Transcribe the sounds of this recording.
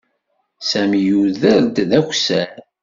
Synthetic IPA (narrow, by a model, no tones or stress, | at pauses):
sæmijuðəɾd̪ðæçʷsæɾ